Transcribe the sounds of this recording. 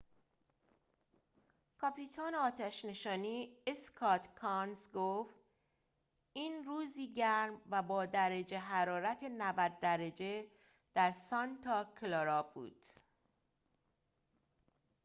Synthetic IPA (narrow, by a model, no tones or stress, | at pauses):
kʰɒpiːt̪ʰɒːneɒːt̪ʰæʃne̞ʃɒːniːeskʰɒt̪kʰɒnzɡoft̪ | iːnruːziːɟæɾmvæbɒːd̪æɾed͡ʒeɦæɾɒːɾæt̪ʰenævæd̪̚ːæɾed͡ʒe | d̪̥æɾsɒnt̪ʰɒkʰlɑɾɒːbṵːd̪̥